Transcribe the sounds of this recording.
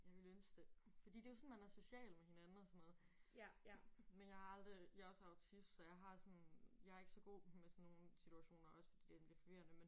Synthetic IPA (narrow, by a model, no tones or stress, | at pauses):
jɑ̈ɪʋe̝lønsd̥efɒd̥ḭːd̥e̝josɔ̽nmænæɐso̝ɕɛ̰ːlmehe̝nænn̩ɒsɔ̽nːɔ̽ːð̩ˠ | menjɑ̈ɪhɑ̈ɑ̈ld̥ʁijɑ̈ɒ̽səɑ̈ʊt͡sʰisd̥sɒ̽jɑ̈ɪɦɑ̈sɒ̽njɑ̈æɐe̝ɡ̥əsɒ̽ɡ̥o̝̰ːmesɔnːo̝ːn̩sit͡sʰuæɕo̝̰ːnɐʔɒ̽sə̥fɒd̥ḭːd̥ed̥enb̥liɐfɒ̽ʋiɐnəmen